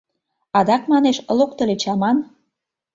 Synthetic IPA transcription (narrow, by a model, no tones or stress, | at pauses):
ɑd̪ɑkmɑneʃlokt̪ə̆let͡ɕɑmɑn